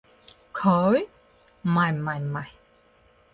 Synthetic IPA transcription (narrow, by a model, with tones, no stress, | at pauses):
kʰəː˨˦j | ma˨˩jma˨jma˨˩j